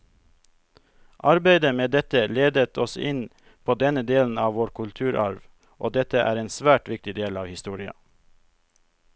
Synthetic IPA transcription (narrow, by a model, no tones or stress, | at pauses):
ʔɑɾbæɪd̪əmeːd̪ɛt̪əleːd̪ət̪ʰɔsɪn | pʰoːd̪ɛnəd̪eːln̩ɑːʋʋoːɾkʰʉlt̪ʰʉːɾʔɑɾʋ | ʔoːd̪ɛt̪əʔæ̰ːɾeːnsʋæːʈʋɪk̚t̪ɪd̪eːlɑːʋhɪst̪uːɾɪɑ̰